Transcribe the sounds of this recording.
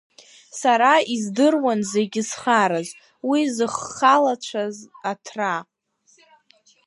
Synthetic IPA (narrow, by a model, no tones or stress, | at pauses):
saɾaizdɨrwanze̞ɡʲɪsχaɾaz | wizɨχːalat͡ʃʷʰazatʰra